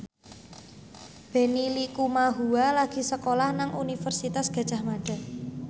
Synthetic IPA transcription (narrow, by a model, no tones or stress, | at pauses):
b̥e̤nilikumaɦualaɡ̥i̤səkolahnaŋʔunifərsit̪asɡ̥a̤̥ʒ̥a̤hmaɖ̥a̤